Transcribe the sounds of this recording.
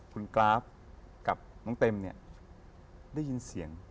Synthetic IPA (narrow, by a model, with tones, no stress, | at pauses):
kʰu˧nklaː˦˥p̚ | ka˨˩p̚nɔː˧˦ŋt̪e˧mni˧˩ə | daː˥˩ji˧nsi˩˦əŋ